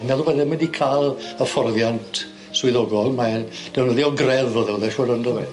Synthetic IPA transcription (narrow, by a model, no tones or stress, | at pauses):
nɛlˠuwɛðɛmɪndikʰalˠəfɔrðjantʰ | swɪðɔɡɔlˠmad̥ɛwnəðiɔɡrɛðoðɛwðɛʃuːɾəndɔɛ